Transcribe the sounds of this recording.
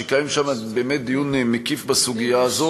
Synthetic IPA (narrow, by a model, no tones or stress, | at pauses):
ekajimʃamabeːmet̪̚d̪ijunmekifbasuɡijaːzo